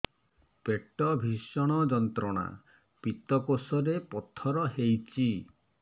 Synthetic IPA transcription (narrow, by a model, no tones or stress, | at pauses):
peʈɔbʱisɔɽ̃ɔd͡ʒɔnt̪ɾɔɽ̃a̰ | pit̪ɔkosɔɾepɔt̪ʰɔɾɔɦejt͡ʃʰi